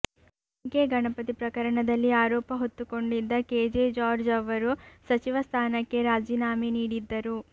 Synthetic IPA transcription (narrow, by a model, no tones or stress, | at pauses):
keɡɐɳɐpɐt̪ipɾɐkɐɾɐɳɐd̪ɐlːiaːɾɔːpɐɦot̪ːuko̞ɳɖid̪ːɐkeːd͡ʒeːd͡ʒaːɾd͡ʒɐʋɐɾusɐt͡ʃiʋɐst̪ʰaːnɐkːe̞ɾaːd͡ʒiːnaːminiːɽid̪ːɐɾu